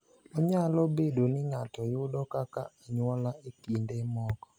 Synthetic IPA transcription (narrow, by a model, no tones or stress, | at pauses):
ɔɲalɔbedonɪŋatɔjʊdɔkakaaɲwɔlaekindemɔkɔ̥